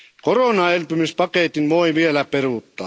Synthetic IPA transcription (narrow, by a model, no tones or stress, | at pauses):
koroˑnɑelpymyspɑkeˑt̪inʋoiʋielæperuˑt̪ːɑː